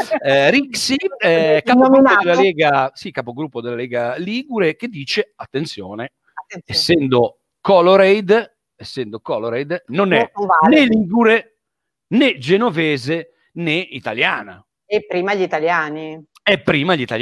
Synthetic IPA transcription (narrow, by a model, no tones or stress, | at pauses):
ɾiksiɛkːapɡɾuod̪elːaleːɡasikːapoɡɾupːod̪elaleːɡaliːɡuɾek̟ed̪ːiːt͡ʃeat̪ːent̪sjo̰ːne | esːɛnd̪o | kɔloɾejd̪ | esːɛnd̪okɔloɾejd̪nonɛaneliːɡuɾe | ned͡ʒenovɛːze | neit̪aljaːna̰ | ɛpːɾiːmaʎit̪aljaːni | ɛpːɾiːmaʎit̪a̰l